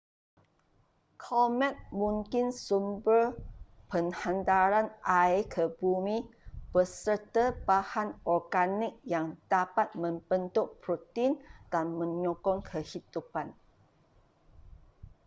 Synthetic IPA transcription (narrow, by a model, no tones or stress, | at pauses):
kʰɔmɛ̃t̪̚mũŋkɪnsumbər | pəŋhãndaɾanʔajkʰəbumĩb̥əsərt̪əbahanɔrɡanɪk̚jaŋd̥apat̪̚mə̃mb̥ənt̪uʔpɾot̪ind̥anmə̃ɲɔkɔŋkʰəhid̪upan